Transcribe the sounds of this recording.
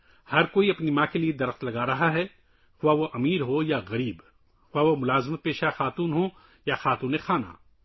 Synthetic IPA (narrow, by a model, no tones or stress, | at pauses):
hɐɾkoːiɐpnimãːkelied̪ɐɾəxt̪lɐɡaːɾɐɦaɦɛ | xʊʋaːʋoʔɐmiːɾɦojaɣɐɾiːb | xʊʋaʋomʊlaːzmət̪̚peːʃaxaːt̪uːnɦo | jaxaːt̪uːnexʰaːna̰ː